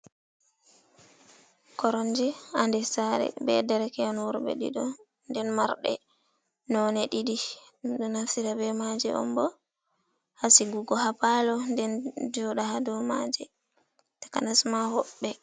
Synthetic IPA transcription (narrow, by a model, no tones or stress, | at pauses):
kɔɾɔnd͡ʒɛandɛsaɾɛ̰bɛ̰dɛɾɛkɛanwuɾbɛ̰ɗḭɗɔ | ndɛnmaɾɗɛ̰ | nɔnɛɗidi | ɗunasiɾabɛmad͡ʒɛ̰ʔɔ̰mbɔ | hasiɡuɡɔɦapalɔndɛnd͡ʒɔɗahadɔmad͡ʒɛ | tḁkanasmahɔɓːɛ